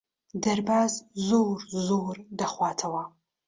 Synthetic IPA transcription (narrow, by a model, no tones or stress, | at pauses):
dɐrbaːzzowrzowrdɐχʷɑːtʰɐwaː